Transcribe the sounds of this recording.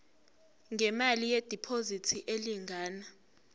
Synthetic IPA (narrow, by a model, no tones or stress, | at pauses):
ŋʱɛmalijed̥ʱipʰozitʰiʔeliŋaːna